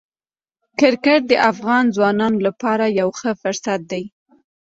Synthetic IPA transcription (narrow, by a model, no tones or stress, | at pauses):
kɪɾkəʈ̚d̪əʔafɣɑnzwɑnɑnolapɑɾajawxəfʊɾsat̪̚d̪aj